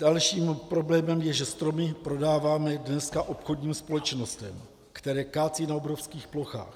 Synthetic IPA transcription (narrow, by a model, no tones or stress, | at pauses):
dalʃiːmpɾo̞blɛːmɛmjɛʒɛst̪ɾo̞mɪpɾo̞daːvaːmɛdnɛskaʔo̞pxodɲiːmspo̞lɛt͡ʃnost̪ɛm | kt̪ɛɾɛːkaːt͡siːnaobɾofskiːxplo̞xa̰ːx